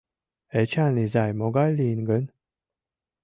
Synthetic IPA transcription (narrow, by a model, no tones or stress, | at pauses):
ɛt͡ɕʰanizajmoɡalːiːnɡən